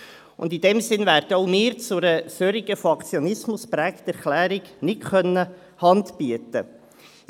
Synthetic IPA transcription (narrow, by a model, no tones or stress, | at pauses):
ʊ̰nd̪id̥ɛmsɪnvæːɾdəɔʊmɪːɾt͡sʊɾəsøɾiɡ̥əfɑkt͡sjɔnɪsmʊspɾækt̪ɛɾklæːɾɪɡ̥nɪtkœnːə | hɑndb̥iət̪ə